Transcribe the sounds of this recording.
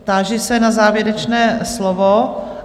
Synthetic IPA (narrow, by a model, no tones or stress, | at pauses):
t̪aːʒɪsɛnazaːvjɛɾɛt͡ʃnɛːslovo